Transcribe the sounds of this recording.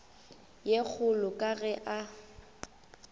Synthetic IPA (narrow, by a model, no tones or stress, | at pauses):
jek͡xʰʊlʊkʼaɣɛʔa